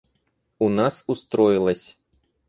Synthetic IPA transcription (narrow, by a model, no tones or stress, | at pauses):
unasust̪ɾɔjilˠɐsʲ